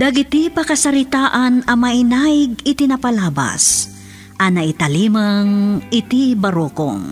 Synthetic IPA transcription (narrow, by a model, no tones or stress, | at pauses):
d̪ɐɡɪt̪ipɐkɐsɐɾɪt̪aːʔɐnɐmɐʔɪnajɡɪt̪ɪnapɐlaːbɐ̰s | ʔɐnɐʔɪt̪ɐlimɐŋʔɪt̪ibɐɾoko̰ŋ